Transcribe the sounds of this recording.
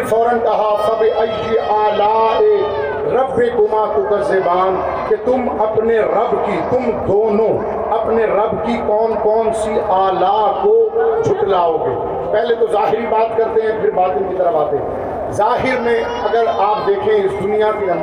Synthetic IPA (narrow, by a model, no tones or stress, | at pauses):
fɔːɾənkɐɦasɐbeʔɐɪsiʔaːlaeː | ɾɐbːekʊmakokɐɾzeːbaːn | ket̪ʊmɐpneɾɐbkit̪ʊmd̪oːnõ | ɐpneɾɐbkikɔːnkɔːnsiʔaːlakod͡ʒʰʱʊʈlaːoːɡḛː | pɛɦlet̪ozaːɦɪɾibaːt̪kɐɾt̪eɦɛ̃pʰɪɾbaːt̪ɪnkit̪əɾəfaːt̪eɦɛ̰̃ | zaːɦɪɾmẽ | ɐɡəɾaːp̚d̪eːkʰẽɪsd̪ʊnijapiɐ̃